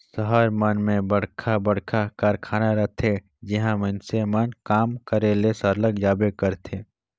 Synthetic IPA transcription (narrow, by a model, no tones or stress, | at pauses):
səɦəɾmənmẽbəɽ̤kʰabəɽkʰakaɾkʰaːnaɾəɦt̪ʰe | d͡ʒɪɦãmənsemənkaːmkəɾelesəɾləɡd͡ʒaːbekəɾt̪ʰeː